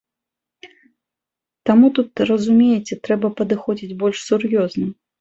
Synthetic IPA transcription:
t̪amut̪ut̪rɐzumʲejɛt͡sʲɛt̪ɾɛbɐpɐd̪ɨxɔd͡zʲid͡zʲbɔlʲʂsurjɔznɐ

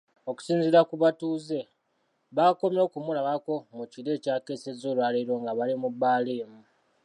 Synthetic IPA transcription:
o̞ku̥siːnziɾakuβatuːze̞ | βako̞mjo̞ːkumulaβako̞muciɾe̞ːcaːke̞ːsezolwaːleɾo̞ːŋɡaβalimubːaːleːmu

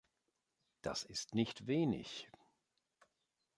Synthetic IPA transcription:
d̥a̰sɪstnɪçtveːnɪ̰ç

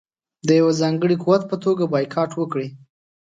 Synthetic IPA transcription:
d̪əjawazɑŋɡəɽikuwat̪̚pət̪oɡabɑjkʰɑʈwəkɽi

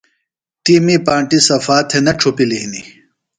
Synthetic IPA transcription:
ʈiːmipaːɳʈisɐfaːt̪ʰenɐʈ͡ʂʰopilinḭ

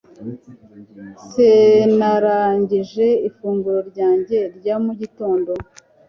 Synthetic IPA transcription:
senaɾaːɲɟiʒe̞ifuːŋɡuɾo̞ɾɟaːɲɟe̞ɾɟamuɟito̞ːndo̞

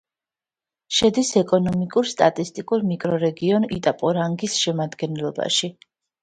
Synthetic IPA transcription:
ʃɛd̪isɛkʼɔnɔmikʼuɾst̪ʼa̰t̪ʼist̪ʼikʼuɾmikʼɾɔɾɛɡiɔnḭt̪ʼapʼɔɾaŋɡisʃɛmad̪ɡɛnlˠɔba̰ʃi

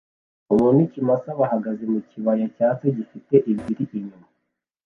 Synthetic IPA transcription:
umuːnucimasaβaɦaɡazemuciβajacaːt͡seɟifite̞ʔibɡiɾiʔiɲuma

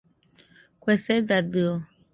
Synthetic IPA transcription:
kwɛsɛdadɯo

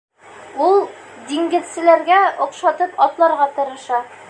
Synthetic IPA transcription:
ulˠd̪iŋɡɘ̆ðsɘ̆læɾɡæŏqʃɑt̪ɤpɒt̪lˠɑɾʁɑt̪ɤ̆ɾɤ̆ʃɑ

